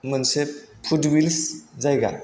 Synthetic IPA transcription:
mɯnse | pʰudwilszajɡa̰

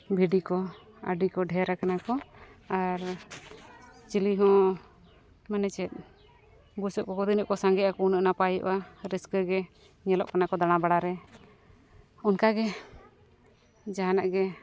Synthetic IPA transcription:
bʱiɖikɔ | a̰ɖikɔɖʱɛɾakanakɔaɾ | t͡ʃiliɦɔ̃ | manɛt͡ʃɛt̪̚ | ɡusɔʔkɔkɔd̪inəʔkɔsaŋɡɛʔakɔunəʔnapajɔ̰ʔʔaɾɛskəɡɛ | ɲɛlɔʔkanakɔd̪aɽ̃abaɽaɾɛ | ɔnkaɡɛ | d͡ʒaɦanaʔɡɛ

